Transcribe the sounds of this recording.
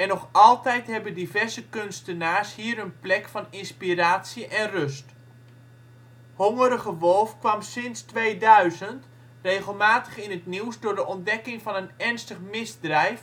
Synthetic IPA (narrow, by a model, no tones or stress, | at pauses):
ɛnɔχɑlˠtɛjtɦɛbəndivɛrzəkønstənaːshiːəɾənplɛkfɑnɪnspiraːtsəʔɛnrøst | hoŋəɾəɣəʋɔlˠfkʋɑmsɪnstʋejdœɥzənt | reːɣəlˠmaːtəχɪnətniwsdʊːɹdəʔɔndɛkɪŋfɑnənɛrnstəχmɪzdrɛjf